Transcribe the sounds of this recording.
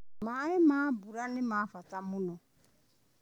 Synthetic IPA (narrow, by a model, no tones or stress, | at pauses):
maemaːbuɾanemaːfatamuno